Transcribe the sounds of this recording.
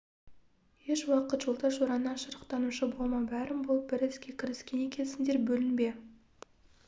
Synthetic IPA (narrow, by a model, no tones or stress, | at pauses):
je̞ʃwɑqət̪ʒ̥olˠt̪ɑʃoɾɑnːɑnʃəɾəqt̪ɑnuʃəbo̞lˠmɑbæɾɪmbolˠəp̚bɪɾɪzɡʲe̞kʲʰɪɾɪskʲe̞ne̞kʲʰe̞nsɪnd̪e̞ɾbɵlɪnbe̞